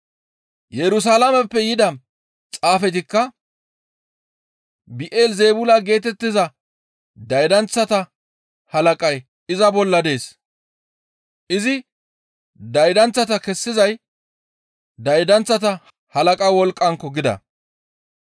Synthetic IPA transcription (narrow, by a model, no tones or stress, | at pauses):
jɛɾʊs̬aːlɐmɛpːɛjɪd̪ɐ | t͡sʼaːfɛt̪ɪkːɐ | bɪʔeːlzeːbʊlɐɡe̞ːt̪ɛt̪ːɪzɐ | d̪ɐjd̪ɐnt͡sːɐt̪ɐ | hɐlɐkʼɐj | ɪzɐbɔlːɐd̪e̞ːs | ʔɪzɪ | d̪ɐjd̪ɐnt͡sːɐt̪ɐkɛsːɪzɐj | d̪ɐjd̪ɐnt͡sːɐt̪ɐ | hɐlɐkʼɐwɔlkʼːɐŋkːɔɡɪd̪ɐ̰